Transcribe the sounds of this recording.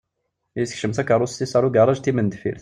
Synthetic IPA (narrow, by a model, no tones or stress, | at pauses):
jəsə̥kʃəmθækɑɾˤusːisɑɾˤuɡɑrˤɑʒt̪imənd̪fḭɾθ